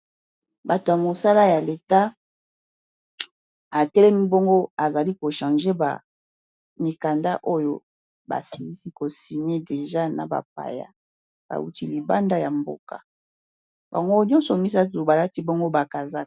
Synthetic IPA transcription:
ba˨to˨ja˨mo˨sa˦la˦ja˨le˨ta˦ | a˨tɛ˦lɛ˦mi˦bo˦ŋɡo˦a˨za˨li˦ko˨ʃã˨ʒe˦ba̰˨ | mi˨ka˨nda˦ʔo˦jo˦ | ba̰˨si˨li˦si˦ko˨si˨me˦de˨ʒa˦na̰˨ba̰˨p̚a̰˨ja̰˦ | b̥a̰˨wu˦ti˦li˨ba˦nda˦ja˨mbo̰˦˨ka̰˨ | ba̰˨ŋɡo˦ɲɔ̃˦nsɔ˨mi˦sa˦tu˨ba˨la˦ti˦bo˦ŋɡo˦ba˨ka˨za˦k

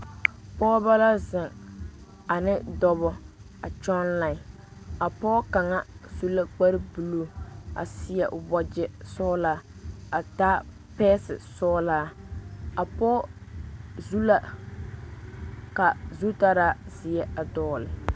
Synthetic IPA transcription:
pɔː˦ba˦la˦zɪ˨ŋ | a˨nɪ˦dɔ˦˨βɔ˦ | a˨t͡ʃɔ˦nla˨ɪ˨ | a˨pɔː˦ka˨ŋa˦z̥u˦la˦k͡pa˦ɾɪ˦bu˨lo˦a̰˨sɪ˨ɛ˨ʔʊ˨bɔ˨d͡ʒɛ˨sɔː˦laː˦a˨taː˦ | pɛː˦sɪ˨sɔː˦laː˦a˨pɔː˦ | zu˦la˦ | ka˨zu˦ta˦ɾaː˦zɪ˨ɛ˦a˨dɔː˦lɪ˨

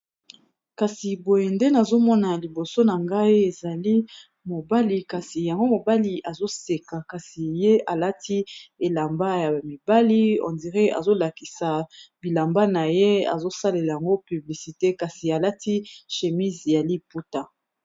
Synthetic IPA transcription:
ka˨si˨bo˨je˨nde˦na˨zo˦mɔ˦na˨li˨bo˨so˦na˨ŋɡa˦i˦e˨za˨li˦ | mo˨ba˦li˨ka˨si˨ja˨ŋɡo˦mo˨ba˦li˨ʔa˨zo˦se˨ka˨ka˨si˨je˦a˨la˦ti˦e˨la˨mba˦ja˨mi˨ba˦li˦ɔ̰˨ndi˨ʁɛ˦a̰˨zo˦la˨ki˨sa˨bi˨la˨mba˦na˨je˦a̰˨zo˦sa˦le˨la˨ja˨ŋɡo˦py˨bli˨si˨te˦ka˨si˨a˨la˦ti˦ʃe˨mi˦zja˨li˦pu˦ta˨

